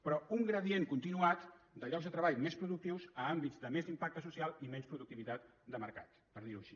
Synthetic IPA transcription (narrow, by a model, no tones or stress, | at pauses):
pɾɔuŋɡɾəðieŋkunt̪inuat̪d̪əʎɔɡzðət̪ɾəβaʎmespɾuðuk̚t̪iwzəambizd̪əmezimpak̚t̪əsusialˠimɛnspɾuðuk̚t̪iβit̪at̪d̪əməɾkat̪ | pəɾðiɾuəʃi̥